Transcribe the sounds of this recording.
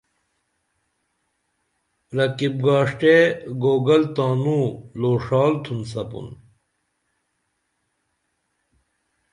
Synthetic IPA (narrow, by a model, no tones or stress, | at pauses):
ɾɐkib̚ɡaːʂʈeɡoːɡɐlt̪aːnuloːʂaːlt̪ʰunsɐpṵn